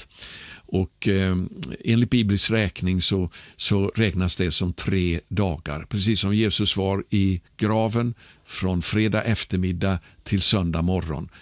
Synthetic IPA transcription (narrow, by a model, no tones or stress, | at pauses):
ʔɔk | eːnlɪt̪̚biːblɪskɾɛːknɪŋsɔsɔɾɛːknasd̪ɛsɔmt̪ʰɾeːd̪ɑːɡa̰ɾpʰɾɛsiːsːɔmjeːsɵsvaɾɪɡ̥ɾɑːvənfɾɔnfɾeːd̪aʔɛft̪əɾmɪd̪ːat̪ʰɪlsœnd̪amɔɾːɔ̰n